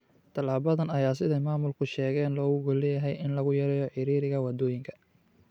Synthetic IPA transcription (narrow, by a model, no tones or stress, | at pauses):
t̪ʰɐlaːβɐðɐnɐjaːsɪðɛjmaːmʊlkʰʊʃɛːɣɛːnlɔːɣʊɣɔlɛjɐɦɛjɪnlɐɣʊjɐɾɛːjɔħɪɾiːɾɪɣɐwɐd̪ɔːjɪŋkʰɐ̥